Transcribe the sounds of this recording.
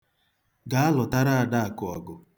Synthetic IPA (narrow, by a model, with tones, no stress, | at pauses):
ɡa˨a˦lɔ˨ta˦ɾa˦a˨da˦a˨kʊ˨ɔ̰˨ɡʊ˨